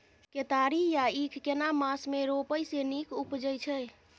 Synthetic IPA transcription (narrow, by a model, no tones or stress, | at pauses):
ket̪aɾijaikʰkenamasmeɾopəjsenikupd͡ʒəjt͡ʃʰə